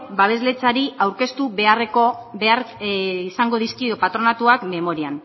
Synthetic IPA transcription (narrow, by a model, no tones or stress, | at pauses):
baβ̞e̞zle̞t͡saɾiawɾke̞st̪uβe̞are̞ko̞beaɾisaŋɡo̞ðiskiopat̪ɾo̞nat̪uakme̞mo̞ɾian